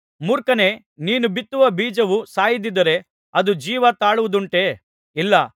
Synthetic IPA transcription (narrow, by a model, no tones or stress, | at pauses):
muɾkɐne̞ | niːnubit̪ːuʋɐbiːd͡ʒɐʋusaːjid̪id̪ɐɾe̞ | ɐd̪ud͡ʒiːʋɐt̪aːɭuʋud̪uɳʈe̞ː | ilːɐ